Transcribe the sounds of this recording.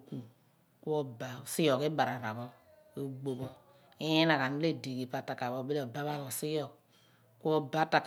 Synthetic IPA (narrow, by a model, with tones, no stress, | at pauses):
ku˨ | ku˦o˦ba˨si˦jo˨ke˦ba˨ɾa˨ɾa˨bɔ˦ | e˦ɡ͡bo˨bo˦ | i˦i˦na˨ka˨mi˦le˦˨de˨ki˨pa˦ta˨ka˨bo˦be˦lo˨ba˦βa˦bo˨si˦jɔ˨k̚ | ku˦o˦ba˦ta˨k